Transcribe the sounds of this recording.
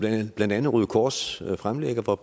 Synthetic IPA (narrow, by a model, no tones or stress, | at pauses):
b̥lænd̥ænð̩ˠʁyðˠkʰɒ̥ːsfʁamleɡ̥ɐʋɒ